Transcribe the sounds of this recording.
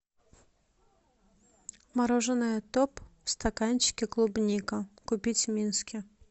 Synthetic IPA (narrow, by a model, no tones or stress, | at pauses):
maɾɔʐɨnɨjɐt̪ɔpfst̪akanʲt͡ɕɪ̥kʲɪklˠubnʲikɐkʊpʲit͡sʲmʲinskʲɪ